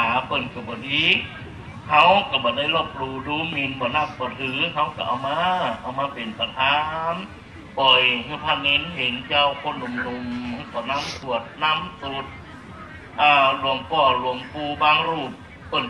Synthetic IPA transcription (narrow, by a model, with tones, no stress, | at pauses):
aː˨˦pɤː˧˩nkʰa˧˩bɔː˨diː˧˥ | hʰa˧˥˨wka˧˩bɔː˨˦da˧˥˩jlɔː˧˩p̚luː˧˩duː˧˦mi˧nbɔː˨˦na˧˥˩p̚bɔː˨˦t̪ʰɯː˨˦ɦa˧˥˩wka̰˧˩ʔa̰˨˩wmaː˧˥ʔa˨˩wmaː˧˥pe˨npa˧˩t̪ʰaː˧˥m | pɔ˨˩jha˧˩t̪ʰa˧˨nːe˧˥nɦe˨˦nt͡ɕa˧˨wkʰo˧˥˨nlu˧˨mnu˧m˧bɔː˨˦na˧˥˨msʰu˧˩ət̪̚na˧˥˨msu˧˦t̪̚ | ʔaː˧˩lu˧˩əmpɔː˧˩lu˧˩əmpuː˧˩baː˧˥˨ŋɾuː˧˩p̚ | pɤ˧˩n